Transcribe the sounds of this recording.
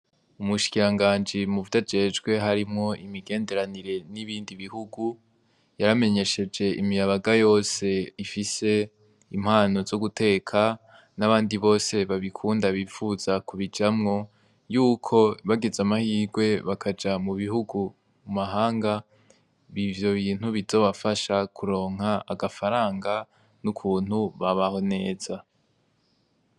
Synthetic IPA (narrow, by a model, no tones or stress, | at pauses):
umuʃi̥kiɾaŋɡaːnd͡ʒimuvutad͡ʒe̞d͡ʒɡwe̞ɦaɾimŋo̞ʔimiɡe̞ːnde̞ɾaniɾe̞niβiːndiβihuɡu | jaɾame̞ɲe̞ʃe̞d͡ʒe̞ʔimijaβaɡajo̞ːse̞ifise̞ | im̥haːno̞zoɡute̞ːkʰa | naβaːndiβo̞ːse̞βaβikʰuːndaβifuz̥akuβid͡ʒamŋo̞ | juːkʰo̞βaɡe̞zamahiːɡwe̞βakʰad͡ʒamuβiɦuɡu | mumaɦaːŋɡa | βivjo̞βiːn̥huβizo̞βafaʃakʰuɾo̞ːŋ̥haʔaɡafaɾaːŋɡa | nukʰuːn̥huβaβaho̞ne̞ːz̥a